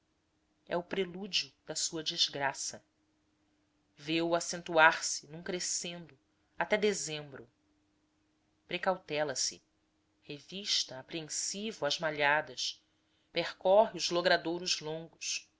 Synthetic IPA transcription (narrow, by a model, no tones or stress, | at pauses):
ɛ̰ʊpɾelud͡ʒiʊd̪̥ɐsuɐd͡ʒizɡɾasɐ | vewuasẽnt̪uaɾsinũŋkɾesẽnd̪ʊ | at̪ɛd̪ezẽmbɾʊ | pɾekawt̪ɛlɐsɪ̰ | heviʃt̪ɐːpɾiẽnsivʊɐzmaʎad̪ɐʃ | peχkɔɦiʊzloɡɾad̪oɾʊzlõŋɡʊʃ